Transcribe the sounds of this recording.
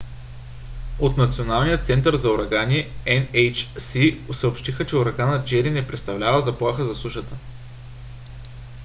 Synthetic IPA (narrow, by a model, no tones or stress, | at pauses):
ot̪nɐt̪sionalˠnijət̪sɛnt̪əɾzɐoɾɐɡaniɛɛnɛjt͡ʃsiosəopʃt̪ixət͡ʃɛʊɾɐɡanəd͡ʒɛɾinɛpɾɛt̪st̪ɐvlʲavəzɐplˠaxəzɐsˠuʃət̪ə